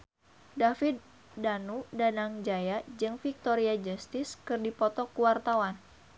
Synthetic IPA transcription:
dafit̪̚ | danudanaŋd͡ʒajad͡ʒɨŋfik̚t̪ɔɾiad͡ʒast̪ɪskɨrdipɔt̪ɔkuwart̪awan

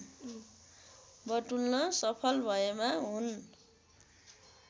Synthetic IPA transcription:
bʌʈulnʌsʌpʰʌlbʱʌemaɦun

